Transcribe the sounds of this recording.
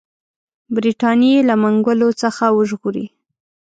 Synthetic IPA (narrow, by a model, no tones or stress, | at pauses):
bɾiʈɑnjelamaŋɡəlot͡səxawəʒɣuɾḭ